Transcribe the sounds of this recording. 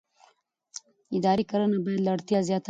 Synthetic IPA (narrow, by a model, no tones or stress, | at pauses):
ɪd̪ɑɾikaɾənabɑjad̪laɽt̪jazjɑt̪